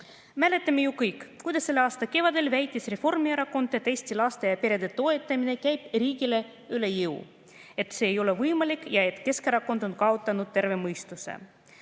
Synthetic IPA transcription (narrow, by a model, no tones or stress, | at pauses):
mæle̞t̪ːˑɑme̞jukɯjkːˑkːujd̪ɑsːe̞lːeɑːst̪ɑke̞vɑd̪e̞lvæjt̪ʲˑːisre̞fo̞rmieɾɑko̞nd̪̥ˑet̪ːˑe̞jst̪ilɑst̪ejɑpeɾe̞d̪e̞t̪o̞e̞t̪ːˑɑmine̞kæjb̥riːɡile̞ | yle̞jɯw | e̞t̪se̞ːjo̞le̞vɯjmɑlʲikˑːjɑe̞t̪ˑke̞skɾɑkːˑo̞nd̪̥o̞nkɑot̪ːˑɑnud̪̥̚t̪e̞rve̞mɤjst̪use̞̰